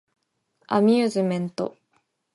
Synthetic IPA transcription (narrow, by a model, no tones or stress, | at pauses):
a̰mʲɨːzɨmẽ̞nt̪o̞̰